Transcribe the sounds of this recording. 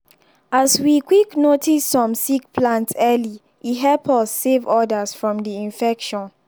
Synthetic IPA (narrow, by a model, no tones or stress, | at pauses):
aswikwiknotʰisːɔ̃msikpʰlãntsɛli | ʔiɦɛlpʰɔsːevɔdəsfɹɔ̃mdiĩnfɛkʃɔ̃n